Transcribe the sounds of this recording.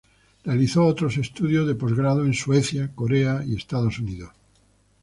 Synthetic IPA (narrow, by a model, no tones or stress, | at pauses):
realiθoot̪ɾose̞st̪uðjo̞zðe̞po̞zɣɾaðoẽ̞nsweθjakoɾeaie̞st̪að̞o̞suniðos